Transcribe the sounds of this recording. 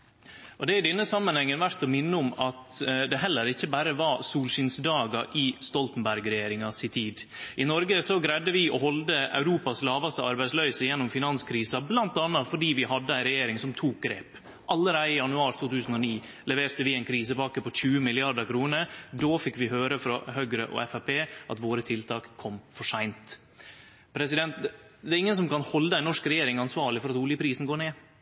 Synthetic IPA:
ʔɔd̪ɛæɖɛnːəsɑmːənhɛŋːənʋæɾt̪ɔmɪnːəʊmɑt̪d̪ɛɦɛlːəɾɪçːəbæːɾəʋɑsuːlʃɪnsd̪ɑːɡɑʔɪst̪ɔlt̪ən̩bæɾɡɾɛjeːɾɪŋɑsɪt̪ʰiːd̪ʔɪnɔɾɡəsɔɡɾæd̪əʋɪɔhɔld̪əɑ̰ʉɾuːpɑslɑːʋɑst̪əɑɾbæɪslœʏsəjɛnːʊmfɪnɑnskʰɾiːsɑblɑnt̪ɑnːɑt̪fɔɖiːʋɪhɑd̪ːəæɪɾɛjeːɾɪŋsɔmt̪ʰuːk̚ɡɾeːp | ʔɑlːəɾæɪɪjɑnʉɑːɾt̪ʰuːt̪ʰʉːsn̩ɔniː | lɛʋeːɾt̪əʋɪæɪnkʰɾiːsəbɑːkəpɔçʉːəmɪlɪɑd̪əkʰɾuːnəɾd̪oːfɪkːʋɪhøːɾəfɾɑ̰hœɡɾəʔɔ̰ɛfæpeːʔɑ̰t̪ʋoːɾət̪ʰɪlt̪ʰɑːkʰːɔmfɔʂæɪnt̪ | pʰɾɛsɪd̪ɛnt̪ | d̪ɛɾɪŋːənsɔmkɑnhɔld̪əæɪnɔʂkɾɛjeːɾɪŋɑnsʋɑːɭɪfɔɾɑt̪uːljəpʰɾiːsn̩ɡoːɳeː

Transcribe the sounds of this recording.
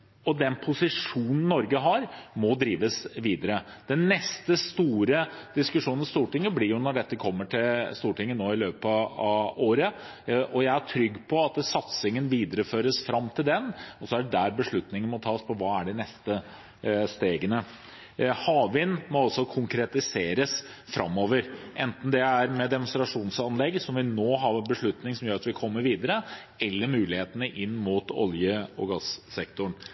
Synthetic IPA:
ɔd̪ɛnpʰʊsɪʂuːnən̩nːɔɾɡəɦɑɾmɔd̪ɾiːʋəsʋiːd̪əɾə | d̪̥ɛnːɛst̪əst̪uːɾəd̪̥ɪskʉʂuːnn̩st̪uːʈɪŋːəblɪɾjʊnɔɖɛt̪ːəkʰɔmːəʈʰɪlst̪uːʈɪŋːənoːɪløːpɑɑoːɾə | ʔɔjæɪæʈʰɾʏɡːpʰɔɑt̪̚sɑt̪sɪŋənʋiːd̪əɾəføːɾəsfɾɑmːt̪ʰɪld̪ɛnɔsɔæɖɛɖ̪æɾbəʂɭʉt̪nɪŋənmɔt̪ʰɑːspʰɔʋɑːæɖɪnɛst̪ə | st̪eːɡənə | hɑːʋɪnmɔɑsɔkʰʊŋkɾɛt̪ɪseːɾəs | fɾɑ̰mːoːʋəɾʔɛnt̪n̩d̪ɛæɾmɛd̪ɛmʊnst̪ɾɑʂuːnsɑnlɛɡsɔmʋɪnoːɦɑʋɛnbəʂɭʉt̪nɪŋsɔmjøːɾɑt̪ʋɪkʰɔmːəɾʋiːd̪əɾə | ɛlːəɾmʉːlɪheːt̪ənəʔɪnːmut̪ɔ̰ljəɔɡɑssɛkt̪ʊɳ

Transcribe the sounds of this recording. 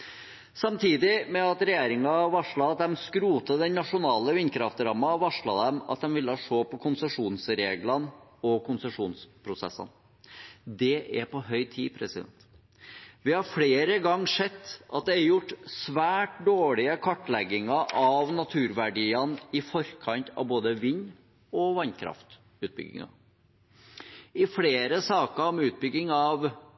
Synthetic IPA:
sɑmt̪ʰiːd̪ɪmɛɑt̪ɾɛjeːɾɪŋɑʋɑʂɭɑɑt̪̚d̪ɛmskɾuːt̪əd̪ɛnnɑʂʊnɑːləʋɪnkʰɾɑft̪ɾɑmːɑʋɑʂɭɑd̪ɛmɑt̪̚d̪ɛmʋɪlːəɑʂoːpʰɔkʰʊnsəʂuːnsɾeːɡlɑnɔkʊnsəʂuːnspʰɾʊsɛ̰sːə̰n | d̪ɛʔæɾpɔɦœʏt̪ʰiːpʰɾɛsɪd̪ɛ̰nt̪ | ʋɪhɑɾfleːɾəɡɑŋːʂɛt̪ːʔɑ̰t̪̚d̪ɛæɾjʊʈːsʋæːʈ̚d̪oːɭɪəkʰɑʈːlɛɡːɪŋɑʔɑʋnɑt̪ʰʉːɾʋæɖiːənɪfɔɾkʰɑnt̪ʰɑ̰ʋboːd̪əʋɪn | ɔʋɑnkʰɾɑ̰ft̪ | ʉːt̪̚bʏ̰ɡɪ̰ŋɑ̰ | ɪfleːɾəsɑːkəɾɔmʉːt̪̚bʏɡːɪŋɑʋ

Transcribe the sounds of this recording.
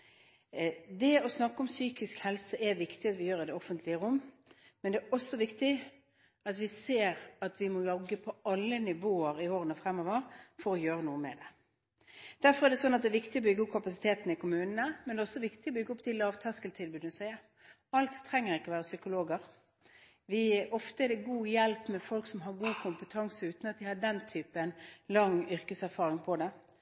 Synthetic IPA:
d̪ɛɔsnɑkːəɔmsyːkɪskhɛlsəʔɛʋɪkt̪ɪɑt̪ʋɪjøːɾɪd̪ɛɔfənt̪ʰlɪəʁʊmː | mɛnd̪ɛːɔsːɔʋɪkt̪ɪ | ɑt̪ʋɪseːɾɑt̪ʋɪmɔlɔɡːəpʰɔɑlːənɪʋoːəɾɪoːʁənəfʁɛmːɔʋəʁfɔɾɔjøːɾənuːəmɛd̪ɛ | d̪̥æɾfɔɾædɛsɔnːɑt̪̚d̪ɛːʋɪkt̪ɪɔbʏɡːəɔp̚kʰɑpɑsɪ̥t̪ʰeːt̪nəɪkʊmʉːnənəmɛnd̪ɛɔsːɔʋɪkt̪ɪɔbʏɡːəɔpːd̪ɪlɑːʋt̪ʰɑskəlt̪ʰɪlbʉːd̪ənəsæɪə | ɑlt̪tʰːʁɛŋːəɾɪkːɔʋæːʁəsʏkʊloːɡəʁ | ʋɪɔft̪əɛdɛɡuːjɛlpmɛfɔlksɔmɦɑɾɡuːkʰʊmpət̪ʰɑŋsəʉːt̪nɑt̪̚d̪ɪhɑɖɛnt̪ʰyːpəɛnlɑŋːʏɾkəsæɾfɑːʁɪŋpʰɔd̪ɛ

